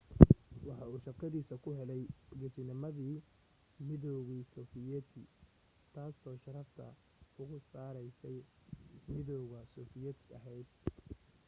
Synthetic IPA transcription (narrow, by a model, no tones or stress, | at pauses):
wɑħɑuːʃɐrkʰɐðiːsɐkʰʊɦɛlɛjɡɛsɪnɪmɐðiː | mɪðɔɣiːsɔːfɪjɛt̪ʰɪ | t̪ʰaːsɔːʃɐɾɐft̪ʰɐ̰ | ʊɣʊsaːɾɛjsɛj | mɪðɔɣɐsɔːfɪjɛt̪ʰɪɐɦɛjd̪̚